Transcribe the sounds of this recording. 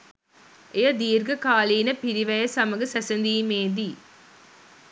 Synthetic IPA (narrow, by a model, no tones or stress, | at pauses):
ʔejɐd̪iːɾɡɐkaːliːnɐpɪɾɪʋɐjɐsɐmɐɣɯsɐsɐnd̪iːmeːd̪i